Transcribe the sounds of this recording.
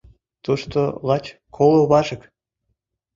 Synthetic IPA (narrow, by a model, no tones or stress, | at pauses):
t̪uʃt̪olɑt͡ɕkʰolˠoβɑʒə̆k